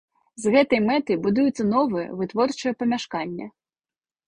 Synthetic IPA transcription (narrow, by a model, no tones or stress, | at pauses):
zɣɛt̪ɔjmɛt̪ɐjbʊd̪ujʊt͡sʲːɐnɔʋɛɛ̰ʋɪt̪ʋɔrt͡ʃɔjɛpɐmʲaʃkɑnʲːɐ̰